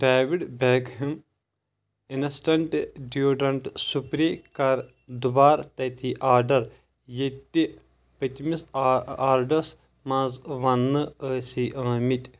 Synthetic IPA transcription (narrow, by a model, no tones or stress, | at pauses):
ɖaːʋiɖbeːkɦim | inɐsʈɐɳʈɖjuːɖɐɳʈsupɾiːkɐɾ | d̪ubaːɾt̪ɐt̪ʰiʔaːɖɐɾ | jet̪ːi | pɐt̪misaːɾɖɐs | mãːzʋɐnːɨəːsiʔɐ̃ːmit̪ʲ